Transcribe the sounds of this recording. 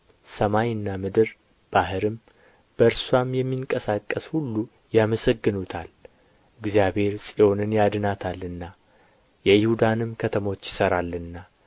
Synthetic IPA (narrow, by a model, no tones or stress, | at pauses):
səmajɨnːamɨd̪ɨɾ | b̥ahɨɾɨm | b̥əɨɾswamjɛmːiŋkʼəsakʼːəshulːu | jaməsəɡːɨnut̪ʰal | ɨɡzijabhe̞ɾsʼijo̞nɨnjad̪ɨnat̪ʰalːɨnːa | jɛjɪhud̪anɨmkʰət̪ʰəmo̞t͡ʃːjɪsəɾalːɨnːa